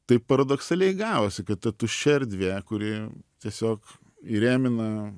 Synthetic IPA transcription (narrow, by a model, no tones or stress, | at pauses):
t̪ɐɪpɐɾɐd̪oksɐlʲɛɪɡɑːʋoːsʲɪkɐt̪t̪ɐt̪uːʃʲɛɾʲd̪ʲʋʲeːkʊɾʲɪt̪ʲiɛsʲoːk | iɾʲæːmʲɪnɐ